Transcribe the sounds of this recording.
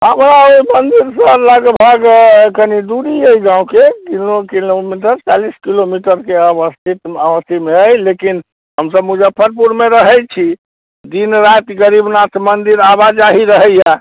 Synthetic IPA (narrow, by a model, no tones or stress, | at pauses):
ɦəmɾaoimənd̪iɾsəɾləɡbʱaɡkənid̪uɾiəiɡãũkekilokilomiʈ̬əɾt͡ʃaliskilomiʈəɾkeəbəst̪ʰit̪əbəst̪ʰimeəjlekin | ɦəmsəbmud͡ʒəbpʰəɾpuɾmeɾəɦɛt͡ʃʰi | d̪inɾat̪ɡəɾibnat̪ʰmənd̪iɾabad͡ʒaɦiɾəɦəja